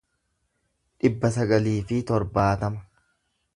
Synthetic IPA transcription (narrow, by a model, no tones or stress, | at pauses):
ᶑɪbːɐs̬ɐɡɐliːfɪt̪ɔɾbaːt̪ɐmɐ̥